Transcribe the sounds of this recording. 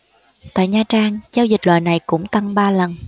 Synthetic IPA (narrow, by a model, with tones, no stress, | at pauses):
t̪a̰ː˧˨jɲaː˨˩t͡ɕaː˧ŋzaː˧wzi˨˩k̟̚lwa̰ː˧˨jna˨˩jkʊ̰˧˥ŋ͡mt̪a˧ŋɓaː˧lə˨˩n